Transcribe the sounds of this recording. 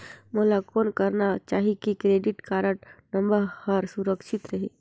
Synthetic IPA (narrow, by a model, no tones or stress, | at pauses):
moːlakoːnkɐɾnat͡ʃaːɦikikɾeːɖɪʈkaːɾəʈnɐ̃mbəɾhɐɾsuɾəkʃɪt̪ɾɐɦeː